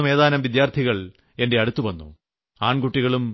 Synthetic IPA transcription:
me̞ːðaːnɐmʋid̪jaːrt̪ʰiɣɐɭ | e̞nde̞ɐɽut̪ːuʋɐnːṵ | aːɳɡuʈːiɣɐɭum

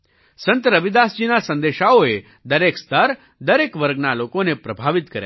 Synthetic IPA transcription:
sənt̪əɾəʋid̪asd͡ʒiːnasə̃nd̪eʃaoe | d̪əɾeːkst̪əɾ | d̪əɾeːkʋəɾɡnalokonepɾɐbʱaːʋit̪kəɾja̰

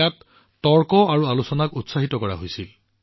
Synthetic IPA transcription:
atː | ɔɹkɔaɹualusɔnakutsaɦitɔkɔɹa̰ɦojsil

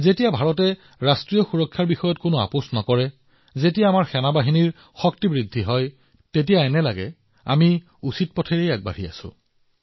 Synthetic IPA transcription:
zetijabʱaɹɔtɛ | ɹastɹijɔxuɹɔkʰːaɹbixɔjɔtkʊnʊa̰pʊsnɔkɔɹɛ | zetijaːmaɹxɛnabaɦiniɹ | xɔk̚tibɹidʱːiɦɔj | tet̬ijaɛnɛlaɡɛ | a̰mi | usit̚pɔtʰeɹejak̚ba̰ɹia̰sʊ̰̃

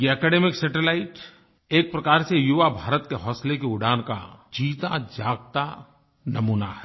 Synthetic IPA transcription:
jeɛkɛːɖeːmɪksɛʈelaːɪʈ | eːk̚pɾɐkaːɾsejʊʋabʱaːɾət̪keɦɔːslekeʊɖʱaːnka̰d͡ʒiːt̪ad͡ʒaːɡ̚t̪a | nɐmuːnahɛː

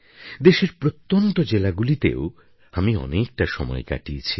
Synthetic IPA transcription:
d̪eʃeɾpɾot̪ːont̪od͡ʑelaɡulit̪ḛo | amiɔ̰nek̚ʈaʃɔmɔ̰eka̰ʈiet͡ɕʰi

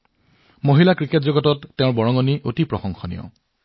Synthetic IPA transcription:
moɦilakɹiketzɔɡɔtɔtːẽʊ̃ɹbɔɹɔŋɔniʔotipɹɔxɔŋxɔnḭjɔ̰

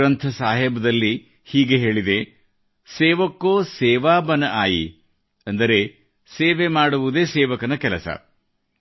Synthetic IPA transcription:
ɾɐnt̪ʰɐsaːɦɛbɐd̪ɐlːi | hiːɡe̞ɦe̞ːɭid̪e̞ | seːʋɐkːoːsɛːʋaːbɐnɐʔaːjḭ | ɐnd̪ɐɾe̞ | seːʋemaːɽuʋud̪e̞ːseːʋɐkɐnɐkɛlɐsɐ̰

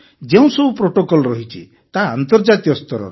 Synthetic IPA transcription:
d͡ʒeũsɔbʱupɾoʈokɔlɔɾɔɦit͡ʃʰi | t̪aːnt̪ɔɾd͡ʒat̪ijɔst̪ɔɾɔ̰ɾ

